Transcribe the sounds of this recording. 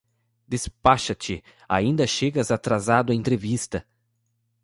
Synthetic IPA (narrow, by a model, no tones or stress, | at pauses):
d̪espaʃɐt͡ʃɪ | a̰ĩnd̪ɐʃeɡɐzat̪ɾazad̪ʊɐẽnt̪ɾevist̪ɐ